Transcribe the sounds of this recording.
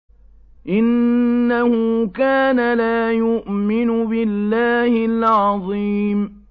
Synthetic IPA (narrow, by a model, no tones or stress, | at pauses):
ʔɪnːahʊkaːnalaːjʊʔmɪnʊbɪlːaːhɪlʕɑðˤiːm